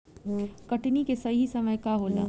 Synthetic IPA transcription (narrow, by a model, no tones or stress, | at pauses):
kɐʈnikesɐɦisəməjkaɦoːla̰